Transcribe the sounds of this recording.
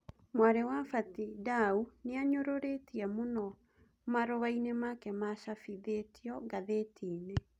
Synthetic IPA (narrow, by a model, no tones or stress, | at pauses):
mwaɾewafatidauneaɲoɾoɾetiɛmonɔ | maɾoβainemakɛmaʃafiðetiɔɡaðetʰiːne